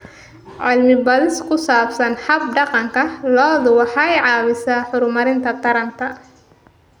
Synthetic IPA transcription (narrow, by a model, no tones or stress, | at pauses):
ʕɪlmɪbɐðɪskʰʊsaːbsɐnħɑb̚ɖɑqɑŋkʰɐlɔːðʊwɑħɑɛjʕɑːβɪsaːħʊɾʊmɐɾɪnt̪ʰɐt̪ʰɐɾɐnt̪ʰɐ